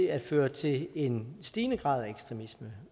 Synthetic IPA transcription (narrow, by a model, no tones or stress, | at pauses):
æd̥føːɐt͡sʰe̝le̝nsd̥iːnəɡ̥ʁɑ̰̈ːð̞ˠæeɡ̥sd̥ʁɛmismə